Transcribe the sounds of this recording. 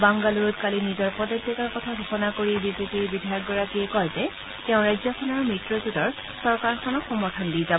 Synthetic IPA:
baŋɡaluɹɔtkalinizɔɹpɔdɔtʰːikaɹkɔtʰaɡʱɔxɔnakoɹibizepiɹbidʱajɔk̚ɡɔɹakiɛkɔjzɛ | teʊ̃ɹajzɔkʰɔnɔɹmɹitɹɔzutɔɹ | sɔɹkaɹxʰɔnɔxɔmɔɹtʰɔndijzabɔ

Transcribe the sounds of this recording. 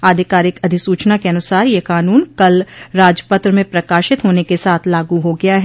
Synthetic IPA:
aːd̪ʱɪkaːɾɪkɐd̪ʱɪsuːt͡ʃnakeɐnʊsaːɾjekaːnuːnkɐlɾaːd͡ʒəpət̪ɾəmẽpɾɐkaːʃɪt̪ɦoːnekesaːt̪ʰlaːɡuɦoɡɐjaɦɛ

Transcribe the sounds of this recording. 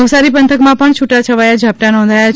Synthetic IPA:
ʋsaɾipənt̪ʰəkmãpəɳt͡ʃʰuʈat͡ʃʰəʋajad͡ʒʱap̚ʈanɔ̃nd̪ʱajat͡ʃ

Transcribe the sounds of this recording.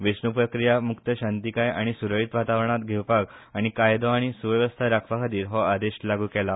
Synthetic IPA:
ʋisnupɾəkɾijamukt̪əɕãnt̪ikaja̰ɽ̃isuɾəɭiːt̪ʋat̪aʋɾɳ̃at̪ɡʱewpaɡaɽ̃ikajd̪ɔaɽ̃isuʋjəʋəst̪ʰaɾakʰʋakʰad̪iːɾɦɔad̪eɕlaɡuːkɛla

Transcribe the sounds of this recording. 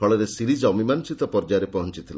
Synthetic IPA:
kʰɔɭɔɾesiɾid͡ʒɔmimansit̪ɔpɔɾd͡ʒaɾepɔɦɔnt͡ʃit̪ʰila

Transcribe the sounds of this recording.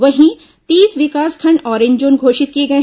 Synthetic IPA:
ʋɐɦĩ | t̪iːsʋɪkaːskʰɐɳɖɔːɾẽɲd͡ʒõːnɡʱoːʃɪt̪̚kieɡɐẽ

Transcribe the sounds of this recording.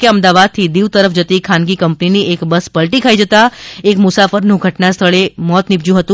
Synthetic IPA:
keəmd̪aʋad̪̚t̪ʰid̪iʋt̪əɾəfd͡ʒət̪ikʰãnɡikəmpniniekbəspəlʈikʰaid͡ʒət̪aekmʊsafəɾnũɡʱəʈnast̪ʰəɭemɔt̪nɪbd͡ʒjũɦət̪ũ

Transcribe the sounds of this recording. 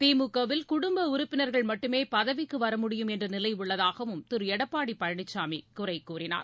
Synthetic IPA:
t̪iːmukːɐʋɪlkʊɽʊmbɐʊɾʊpːɪnɐɾɣɐɭmɐʈːɯmeːpɐðɐʋɪkːɯʋɐɾɐmʊɽɪjɯmɛndrɯnɪlɐɪʊɭːɐðaːɣɐʋɯmt̪ɪɾɛɽɐpːaːɽipːɐɻɐɳɪt͡ʃːaːmikʊrɐɪkːuːrɪna̰ːɾ

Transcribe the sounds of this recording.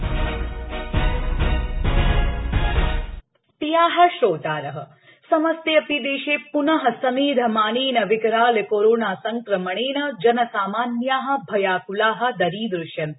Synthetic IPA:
t̪ijaːɦɐ̆ʃɾoːt̪aːɾɐɦɐ | sɐmɐst̪jɐpid̪eːʃeːpunɐɦɐ̆sɐmiːd̪ʱɐmaːneːnɐʋɪkɾaːlekoːɾoːnaːsɐŋkɾɐmɐɳ̃eːnɐd͡ʒɐnɐsaːmaːnjaːɦɐ̆bʱɐjaːkulaːɦɐ̆d̪ɐɾiːd̪ɾʊʃjɐn

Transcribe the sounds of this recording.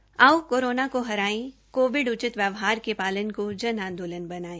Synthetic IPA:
awkoːɾoːnakoɦɐɾaːĩkoːʋɪɖʊt͡ʃɪt̪ʋjəʋɦaːɾkepaːlənkod͡ʒɐnãːnd̪oːlənbɐnaːĩː

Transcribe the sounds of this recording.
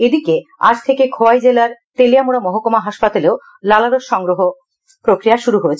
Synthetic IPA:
ed̪ikea̰d͡ʑt̪ʰekekʰoajd͡ʑelaɾt̪eliamuɾamɔɦokomaɦaʃpat̪aleo | lalaɾoʃʃɔŋɡɾoɦo | pɾokɾijaʃuɾuɦoet͡ɕʰe̥

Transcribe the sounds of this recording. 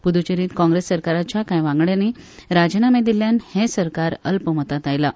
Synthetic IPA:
pud̪ut͡ɕeɾiːt̪kɔ̃ŋɡɾesːəɾkaɾat͡ɕjakãjʋãŋɡɭjaniɾad͡ʑənamed̪iljanhẽsəɾkaɾəlpəmət̪at̪ajla

